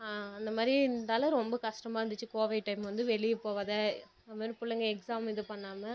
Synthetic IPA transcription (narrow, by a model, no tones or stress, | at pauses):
aːɐnd̪ɐmaːd̪ɾiɪnd̪ɐːlɐɾɔmbɐkɐʂʈɐmaːɾɐnd̪ɯt͡ʃːɯkoːʋɐɪʈːɐɪmʋɐnd̪ɯʋɛɭɪjɐpoːʋaːðɛ | ɐmaːɾĩpʊɭːɐŋɡɐɛksaːmɪðɯpɐɳːaːmɐ